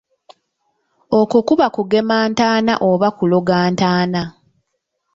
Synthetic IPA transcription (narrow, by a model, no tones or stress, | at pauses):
okukuβakuɡe̞maːntaːna̰ʔoβakuloɡaːntaːna